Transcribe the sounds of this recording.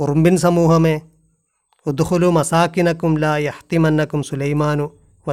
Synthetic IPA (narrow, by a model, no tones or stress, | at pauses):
uɾmbinsɐmuːɦɐme | ud̪xulumɐsaːkinɐkumlaːjɐht̪imɐnːɐkumsulɐjmaːnu | ʋɐ